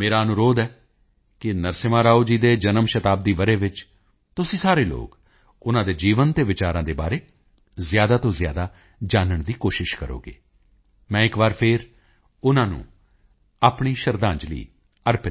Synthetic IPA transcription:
meːɾaːənʊɾoːd̪ɛː | kɪnəɾsɪmãːɾaːud͡ʒiːd̪eːd͡ʒənəmʃət̪aːb̚d̪iːʋəɾeːʋɪt͡ʃ | t̪ʊsĩːsaːɾeːlo̰ːk | ʊnãːd̪eːd͡ʒiːʋənt̪eːʋɪt͡ʃaːɾãːd̪eːba̰ːɾeː | zjaːd̪aːt̪õːzɪja̰ːd̪aː | d͡ʒaːnəɳd̪iːkoːʃɪʃkəɾo̰ːɡḛː | mɛ̃ːɪkbaːɾpʰɪɾ | ʊnãːnṵ̃ː | aːpɳiːʃəɾd̪ãːd͡ʒlḭː | əɾpɪ

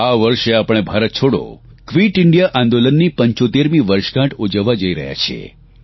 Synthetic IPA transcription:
aʋəɾʃeapəɳ̃ebʱaɾət̪̚t͡ʃʰoɽo̰kʋiʈɪɳɖijaʔãnd̪olənːipəɲt͡ʃot̪eɾmĩʋəɾʃkãʈʰud͡ʒəʋːad͡ʒəiɾəɦja̰t͡ʃʰḛ

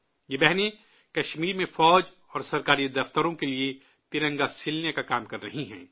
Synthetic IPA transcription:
jebɛɦne | kɐʃmiːɾmẽfɔːd͡ʒ | ɔːɾsɐɾkaːɾid̪ɐft̪əɾõkelie | t̪ɪɾə̃ŋɡasɪlnekakaːmkɐɾːɐɦiɦɛ̰̃ː

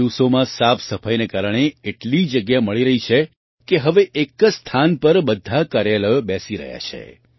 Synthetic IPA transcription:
iʋsomãsapsəfʰajnekaɾəɳ̃eeʈlid͡ʒəɡjaməɭiɾəɦit͡ʃʰe | keɦəʋeʔekst̪ʰanpəɾbəd̪ʱakaɾjaləbɛsiɾə̰ɦja̰t͡ʃʰḛ

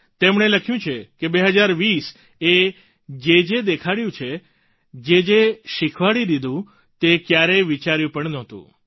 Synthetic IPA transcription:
t̪emɳeləkʰjũt͡ʃʰekebeɦəd͡ʒaɾʋis | e | d͡ʒed͡ʒed̪ekʰaɽjũt͡ʃʰe | d͡ʒed͡ʒeʃikʰʋaɽid̪id̪ʱũ | t̪ekjaɾeʋit͡ʃaɾjũpəɳnɔɦt̪ṵ̃

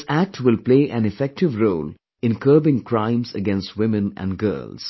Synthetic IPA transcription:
sæk̚ʈʰwɪlpleːʔæ̃nɪfɛk̚ʈɪʋɾoːl | ɪ̃nkʰəːbɪ̃ŋkɾãɪ̃mzə̰ɡɛ̃nsʈwɪ̃mə̃næ̰̃nɡɜ̰ːlz̥

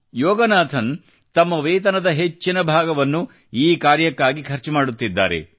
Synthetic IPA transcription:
jɔːɡɐnaːt̪ʰɐn | t̪ɐmːɐʋeːt̪̬ɐnɐd̪ɐɦet͡ʃːinɐbʱaːɡɐʋɐnːu | iːkaːɾjɐkːaːɡikʰɐɾt͡ʃimaːɽut̪ːid̪ːa̰ːɾḛ

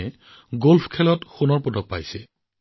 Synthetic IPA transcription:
ɛ | ɡolpʰkʰɛlɔtxunɔɹpodɔk̚pa̰jsɛ

